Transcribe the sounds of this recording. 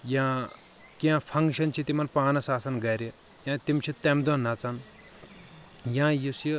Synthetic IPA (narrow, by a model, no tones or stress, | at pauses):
jãː | kãːpʰɐŋɡʃɐnt͡ʃʰit̪imɐnpaːnɐsaːsɐnɡɐɾʲi | jãːt̪imt͡ʃʰit̪emd̪onɐt͡sɐn | jãːjisjɐ